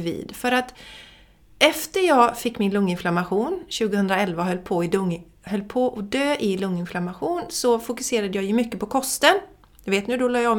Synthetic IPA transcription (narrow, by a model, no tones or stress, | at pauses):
vḭːd̪fœɾat̪ | ʔɛft̪əɾjɑːɡfɪkːmɪnlɵŋːɪnflamaɧuːnɕʉ̟ːɡəhɵnd̪ɾaɛlvaɦœlːpʰoɪd̪ɵ | hœlːpʰoʔɔd̪øːʔɪlɵŋːɪnflamaɧuːnsɔfʊkɵseːɾad̪əjɑːjɵmʏkːəpʰɔkʰɔst̪ən | jɑveːt̪nʉ̟ːd̪ɔlɑːjam